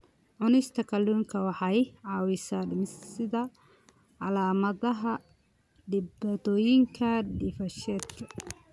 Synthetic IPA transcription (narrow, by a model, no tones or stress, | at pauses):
ʕʊnɪst̪ʰɐkʰɐlːuːŋkʰɐwɑħɑjʕɑːwɪsɐlɪmɪssɪðɐ | ʕɑlaːmɐðɐɦɐ | ɖɪbaːt̪ʰɔːjɪŋkʰɐɖɪfɐʃɛːd̪kʰɐ̥